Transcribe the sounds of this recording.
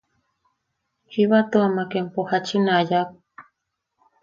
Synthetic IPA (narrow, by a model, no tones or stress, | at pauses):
hiβat̪oamakɛmpɔhat͡ʃinajak